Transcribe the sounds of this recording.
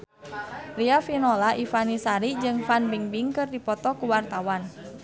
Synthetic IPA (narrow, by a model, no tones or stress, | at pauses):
riafinɔlaʔifanisaɾid͡ʒɨŋfanbiŋbiŋkɨrdipɔt̪ɔkuwart̪awan